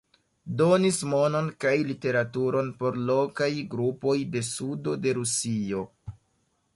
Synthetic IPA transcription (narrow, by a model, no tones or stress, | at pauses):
do̞nismo̞no̞nkajlite̞ɾatuɾo̞npo̞ɾlo̞kajɡɾupo̞jde̞sudo̞de̞ɾusio̞